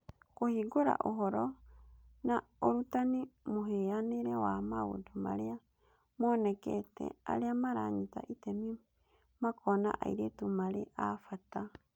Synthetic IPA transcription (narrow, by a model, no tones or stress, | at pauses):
kohiɡoɾa̰ʔoɦɔɾɔ | naoɾutanimoɦeaneɾɛwamaɣo̰doma̰ɾea | mɔnɛkɛtɛ̰a̰ɾeamaɾa̰ɲita̰ʔitɛmi | makʰɔna̰ʔa̰iɾetumaɾeʔafata